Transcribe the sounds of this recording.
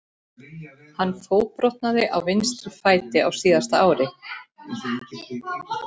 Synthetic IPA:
hanːfoːwpɾɔht̪̚naðɪʔa̰wvɪnst̪ɾʏfaːjt̪ɪawsiːðast̪aaːwɾɪ

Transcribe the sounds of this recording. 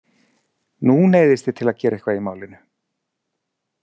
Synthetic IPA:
nuneːjðɪst̪ɪ̥t̪ʰɪlaðcɛːɾaɛhkvaimaːwlɪnʏ

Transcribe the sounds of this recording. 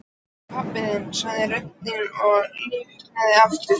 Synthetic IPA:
pʰapːɪðɪnsaðɪrœht̪ɪnɔɣlɪːvɪk̪aðɪaft̪ʏ

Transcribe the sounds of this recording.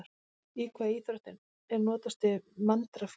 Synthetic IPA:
ɾ | ikʰvaðiːθɾɔht̪ɪn | ɛɾnɔːt̪ast̪ɪmant̪ɾaf

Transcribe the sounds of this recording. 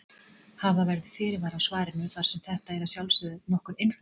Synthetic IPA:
havavɛɾðɪfɪɾɪɾvaɾawsvaːɾɪnːʏθaɾ̥sɛmθɛht̪aɛɾasjawlsʏðʏnɔhkʏnejnf

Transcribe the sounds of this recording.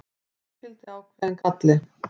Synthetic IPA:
fɪlt̪ɪaːwkʰvɛðɛnkʰat̪lɪ

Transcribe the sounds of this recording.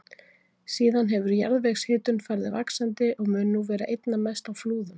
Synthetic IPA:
siːðanɦɛvʏɾja̰ɾðvɛɣshɪːt̪ʏnfajɾðɪvaksant̪ɪʔɔɣmʏːnːuvɛːɾa̰ʔejt̪namɛst̪awfluːðʏm

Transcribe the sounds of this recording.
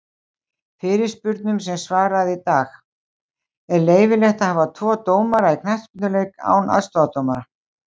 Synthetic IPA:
fɪɾɪɾ̥spʏɾt̪nʏmsɛmsvaːɾaðit̪aːx | ɛɾleːjvɪlɛht̪ahaːvat̪ʰvɔːt̪oːwmaɾaikʰnaht̪spʏt̪nʏlejka̰ːwna̰ðst̪ɔat̪owmaɾa

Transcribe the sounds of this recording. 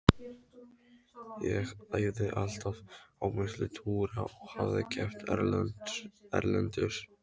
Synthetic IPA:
jɛɣajðɪʔal̥t̪avawmɪslɪt̪ʰuːɾaɔɣhavðɪcʰɛft̪ʰɛɾ | ɛɾlɛnt̪ʏɾ̥

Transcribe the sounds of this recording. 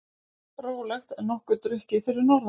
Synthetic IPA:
pɾoːwlɛxt̪ɛnɔhkʏt̪ɾʏhcɪθɪɾɪɾnɔɾv

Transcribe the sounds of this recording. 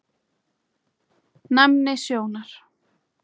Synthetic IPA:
namnɪsjoːwnaɾ̥

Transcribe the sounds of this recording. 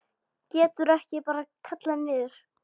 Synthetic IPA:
cɛːt̪ʏɾɛhcɪpaːɾakʰat̪lanvɪːðʏɾ̥

